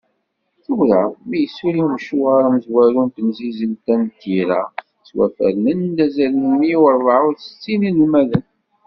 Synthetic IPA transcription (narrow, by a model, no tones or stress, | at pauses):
θəwɾæmijəsːuɾimməʃuʁaɾaməzwæɾunt̪ənzizəlt̪ænt̪iɾæ | swæ̰fə̰ɾmənd̪æzælnəmːiwəɾˤðˤɑʊθə̥t͡sːininəlmæðən